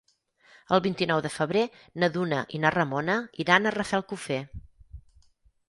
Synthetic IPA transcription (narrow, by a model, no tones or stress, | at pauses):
əlˠβint̪inɔwðəfəβɾe | nəðunə̰ʔinarəmonəiɾanərəfɛlˠkufe